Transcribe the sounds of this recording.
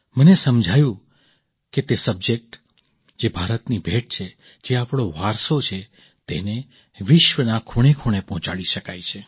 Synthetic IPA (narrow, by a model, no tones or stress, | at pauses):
mənesəmd͡ʒʱajũ | ket̪esəbd͡ʒek̚ʈ | d͡ʒebʱaɾət̪nibʱeʈ̚t͡ʃʰe | d͡ʒeapɽ̃oʋaɾsot͡ʃʰe | t̪ḛne | ʋɪʃʋənakʰuɽ̃ekʰuɽ̃epɔɦɔ̃t͡ʃaɽiʃəkajt͡ʃʰe